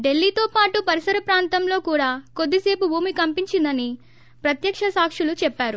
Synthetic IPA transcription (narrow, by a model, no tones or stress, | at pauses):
ɖe̞lːiːt̪oːpaːʈupɐɾisɐɾɐpɾaːnt̪ɐmlo̞ːkuːɽaːko̞d̪ːise̞ːpubʱuːmikɐmpiɲt͡ʃind̪ɐni | pɾɐt̪jɐkʂɐsaːkʂulut͡ʃɛpːaːɾu